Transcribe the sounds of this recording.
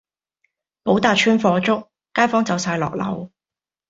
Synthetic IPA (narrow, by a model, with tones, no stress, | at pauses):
po˨˥wt̪aː˨t͡ʃʰyː˥nfɔː˧t͡ʃʊ˥k̚ːaː˥jfɔː˥ŋt͡sɐ˨˧˥wsaː˧jlɔ̰ː˨k̚lɐ̰˨˩w